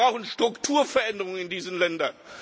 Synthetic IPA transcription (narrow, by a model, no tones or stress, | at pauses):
aʊxn̩ʃtʁ̥ʊktʰuːɐfɐʔɛndəʁʊŋənɪndiːzənlɛndɐn